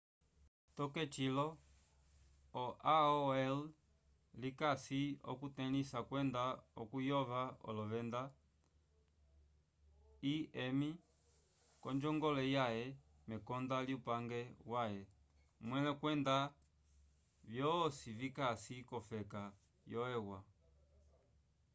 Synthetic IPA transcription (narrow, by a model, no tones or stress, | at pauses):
t̪ɔkɛt͡ʃilɔ | ɔʔaɔɛl | likasiɔ̰kut̪ɛnisakwɛndaɔ̰kujɔvaɔ̰lɔvɛnd̪a | iɛmi | kɔnd͡ʒɔŋɡɔlɛjajɛ | mɛkɔndaliupaŋɡɛwajɛ | mwɛlɛkwɛnda | vjɔsivikasikɔfɛka | jɔɛwa